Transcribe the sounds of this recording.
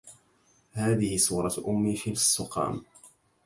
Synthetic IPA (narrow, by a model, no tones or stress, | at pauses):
haːðɪhɪsuːɾˤɑʔʊmːiːʃɪlsˤːʊqɑ̰ːm